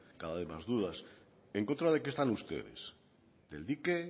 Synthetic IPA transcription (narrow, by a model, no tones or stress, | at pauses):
kaðaðemazðuðas | eŋkont̪ɾaðe̞kest̪anust̪e̞̰ðḛs | d̪̥e̞ld̪ike